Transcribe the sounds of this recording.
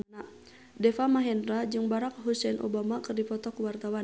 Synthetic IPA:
a | dɛfamaɦɛndɾad͡ʒɨŋbaɾak̚ɦusɛnʔɔ̰bamakɨrdipɔt̪ɔkuwart̪awan

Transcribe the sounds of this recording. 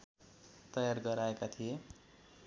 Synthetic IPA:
t̪ʌjarɡʌɾaekat̪ʰije

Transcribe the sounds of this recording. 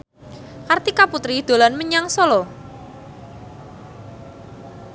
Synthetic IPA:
kart̪ikaput̪ɾid̪̥o̤lanməɲaŋsɔlɔ

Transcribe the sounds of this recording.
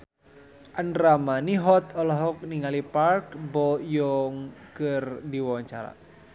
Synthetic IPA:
ʔənramaniɦɔt̪ɔlɔɦɔk̚niŋaliparkbɔjɔŋkɨrdiwaaɲt͡ʃa̰ɾa̰

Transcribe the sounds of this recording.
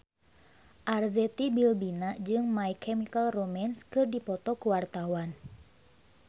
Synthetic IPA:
ʔarzɛt̪ibilbinad͡ʒɨŋmajkɛmikalromanskɨrdipɔt̪ɔkuwart̪awan

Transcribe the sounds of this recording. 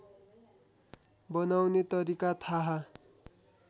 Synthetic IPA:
bʌnawnet̪ʌɾikat̪ʰaɦa

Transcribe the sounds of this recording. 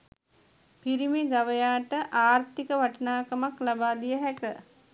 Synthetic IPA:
piɾimiɡaʋəjaːʈəʔaːɾt̪ikəʋaʈənaːkəmaklabaːd̪ijəɦɛkə

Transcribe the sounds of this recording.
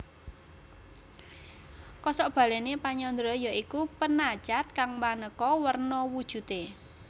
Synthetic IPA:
kɔsɔʔb̥ä̤lenepaɲɔnd̪ɾɔjɔikupənḁʒ̥at̪̚kaŋmanəkɔwərnɔwud̥ʒ̥ṳt̪e

